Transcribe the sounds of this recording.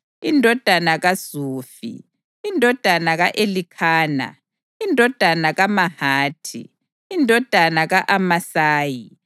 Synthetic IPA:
indʱɔd̥ʱanaɣaz̥uːfḭ | indʱɔd̥ʱanaɣaʔelikʰaːna̰ | indʱɔd̥ʱanaɣamahaːtʰḭ | indʱɔd̥ʱanaɣaʔamasaːji

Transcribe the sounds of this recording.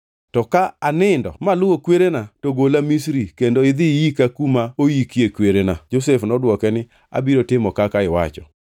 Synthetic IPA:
tɔkaanɪndɔ̰malʊwokweɾenatoɡolamisɾikendoɪd̪ɪjikakumaojikjekweɾenad͡ʒosɛfnɔdwɔkɛnɪ | a̰biɾotɪmɔkakaɪwa̰t͡ʃɔ̰

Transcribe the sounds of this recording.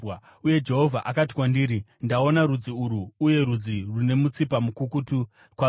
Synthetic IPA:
uje̞d͡ʒe̞ɦo̞vʱaʔakati̥kwandiːɾindao̞naɾud͡ziuɾuːje̞ɾud͡zirune̞mut͡sipamukukutu | kwa

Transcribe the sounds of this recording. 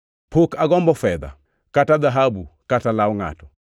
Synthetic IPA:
pʰokaɡɔmbɔfɛða̰ | kataðaɦabukatalaoŋa̰tɔ̥

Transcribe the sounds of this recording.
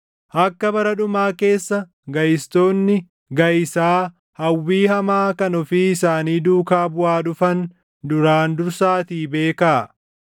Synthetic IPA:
ʔɐkːɐbɐɾɐᶑʊmaːke̞ːsːɐ | ɡɐjɪst̪o̞ːnːɪ | ɡɐjɪsaː | hɐwːiːhɐmaːkɐnɔfiːɪsaːniːd̪uːkaːbʊaːᶑʊfɐn | d̪ʊɾaːnd̪ʊɾsaːt̪iːbe̞ːkaː

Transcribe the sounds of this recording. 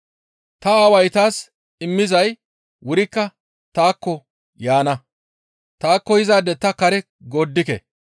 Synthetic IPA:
t̪ɐːwɐjt̪aːs | ɪmːɪzɐj | wʊɾɪkːɐ | t̪aːkːɔ | jaːnɐ | t̪aːkːɔjɪzaːd̪ɛt̪ːɐkɐɾɛ | ɡoːd̪ːɪkɛ̰

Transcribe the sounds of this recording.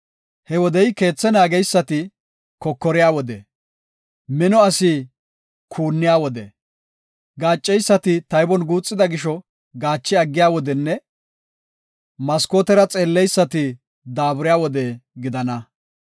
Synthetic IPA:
hɛwɔd̪ɛjke̞ːt͡sːɛnaːɡɛjsːɐt̪ɪ | kɔkːɔɾɪjaːwɔd̪ɛ̰ | mɪnɔɐsɪ | kʰuːnːɪjaːwɔd̪ɛ | ɡaːt͡ʃʼːɛjsːɐt̪ɪt̪ɐjbɔnɡuːt͡sʼːɪd̪ɐɡɪʃɔ | ɡaːt͡ʃːɪɐɡːɪjaːwɔd̪ɛnːɛ | mɐskoːt̪ɛɾɐt͡sʼe̞ːlːɛjsːɐt̪ɪ | d̪aːbʊɾɪjaːwɔd̪ɛɡɪd̪ɐnɐ

